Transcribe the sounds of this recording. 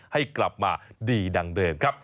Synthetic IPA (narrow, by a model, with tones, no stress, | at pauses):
ha˥˩jkla˨˩p̚maː˧diː˧da˧ŋdɤː˧mkʰa˦˥p̚